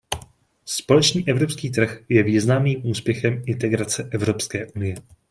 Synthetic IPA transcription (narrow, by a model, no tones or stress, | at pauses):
spo̞lɛt͡ʃniːʔɛvɾo̞pskiːt̪̬r̩xjɛviːznamniːmʔuːspjɛxɛmɪnt̪ɛɡɾat͡sɛʔɛvɾo̞pskɛːʔunɪjɛ